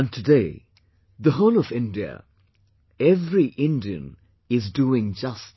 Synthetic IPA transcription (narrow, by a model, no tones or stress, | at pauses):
ə̃ntʰɨdeɪ | ðəɦõʊ̃ləvɪ̃ndiə̰ | ɛvɹiʔɪ̃ndiɨ̰̃n | ɪzduɪ̃ŋd͡ʒʌs